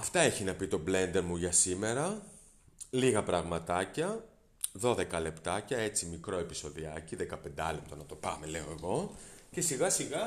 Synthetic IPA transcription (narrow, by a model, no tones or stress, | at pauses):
ɐft̪ɐeçinɐpit̪o̞ble̞nd̪eɾmuʝɐsime̞ɾɐ | liɣɐpɾɐɣmɐt̪ɐcɐ | ðo̞ðe̞kɐle̞pt̪ɐcɐe̞t͡simikɾo̞e̞piso̞ðiɐciðekɐpe̞nd̪ɐlep̚t̪o̞nɐt̪o̞pɐ̰me̞le̞o̞e̞ɣo̞ce̞siɣɐsiɣɐ